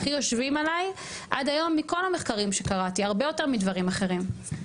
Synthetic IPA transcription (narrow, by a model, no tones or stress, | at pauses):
χijo̞ʃvimalaj | ʔadajo̞mːiko̞lame̞χkaʁimʃekaʁatiaʁbejo̞te̞ʁmidvaʁimaχe̞ʁim